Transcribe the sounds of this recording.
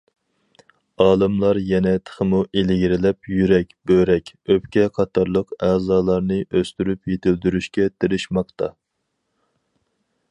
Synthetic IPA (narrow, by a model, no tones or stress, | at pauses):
ɑːlˠɨmlˠɑɾjɛnɛt̪ʰə̥χəmuʔelɡʲiɾɪlɛpjyɾɛkʲb̥øɾɛkʲøpkʲɛqʰɑt̪ʰɑɾlˠəqɛːzɑːlˠɑɾnɨʔøst̪yɾypjet̪ʰɪld̪yɾyʃkʲɛt̪ʰɪɾɪʃmɑqt̪ɑ